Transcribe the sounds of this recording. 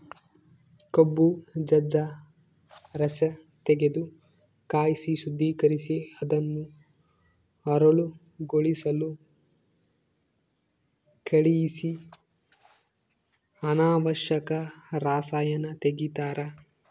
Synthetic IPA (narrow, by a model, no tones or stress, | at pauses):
kobːud͡ʒɐd͡ʒɐ | ɾɐsɐ | t̪eɡed̪u | kaːjisisud̪ʱːiːkɐɾisiɐd̪ɐnːu | ɐɾɐɭu | ɡoɭisɐlu | keɭijisi | ɐnaːʋɐʃjɐkɐɾaːsaːjɐnɐt̪eɡit̪aːɾɐ